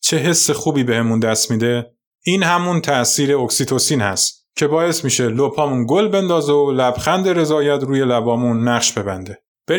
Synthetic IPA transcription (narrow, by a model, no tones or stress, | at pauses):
t͡ʃʰe̞ɦe̞sːexuːbiːbe̞hemund̪æst̪miːd̪e̞ | iːnhæmunt̪ʰæsiːɾeoksit̪ʰo̞siːnhæ̰st̪ | cʰe̞bɒːe̞smiːʃe̞lopʰɒːmunɡolbe̞nd̪ɒːzeolæbxænd̪e̞ɾe̞zɒːjæt̪ʰɾuːje̞læbɒːmunːæɢʃbe̞bænd̪e̞ | b̥e